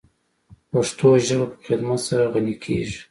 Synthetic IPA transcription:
paʂt̪ʰoʒəɽapə̥xɪd̪mat̪saɾaɣanikʰḛʒi̥

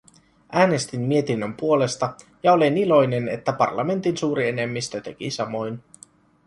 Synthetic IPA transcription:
ʔæːne̞st̪inmie̞t̪inːømpuo̞le̞st̪ɑ | jɑo̞lenilo̞jne̞ne̞̰t̪ːæpɑ̰rlɑme̞nt̪insuːɾie̞ne̞mːist̪øt̪e̞k̟isɑmo̞jn

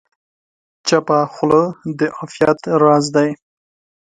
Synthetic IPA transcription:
t͡ʃapaxləd̪əʔafjat̪ɾɑzd̪aj

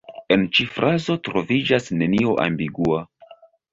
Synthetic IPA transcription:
e̞nt͡ʃifɾʔazo̞tɾo̞vid͡ʒasne̞nioʔa̰mbiɡua

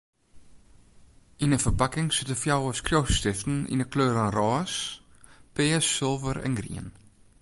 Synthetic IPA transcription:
inəfərpakɪŋsɪtəfjawəskrjowstɪftn̩ḭnəkløːɾanrɑːs | pɪːsːɪlˠvəɾɛ̰nɡrḭən

